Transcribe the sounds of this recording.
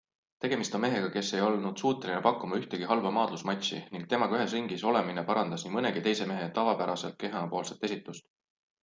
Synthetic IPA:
t̪e̞ɡ̥e̞mist̪o̞nme̞ɦe̞ɡ̥ɑke̞sːe̞jo̞lnud̪̥suːt̪ːˑe̞linepɑkːˑumɑyht̪eɡ̥iɦɑlvɑmɑːd̪̥lusmɑt̪ʲsḭniŋk̚t̪e̞mɑɡɑyhe̞sriŋɡiso̞le̞mine̞pɑɾɑnd̪̥ɑsnimɤne̞ɡ̥it̪e̞jse̞me̞ɦe̞t̪ɑvɑpæɾɑse̞lt̪̚ke̞ɦɑpo̞ːlset̪ːˑe̞sʲit̪ːˑust̪

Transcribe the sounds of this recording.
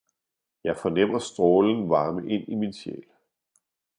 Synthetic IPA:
jɑ̈ɪfɒ̽nem̰ɐsd̥ʁɔːln̩ʋɑ̈ːməʔe̝n̰iminɕḛːl

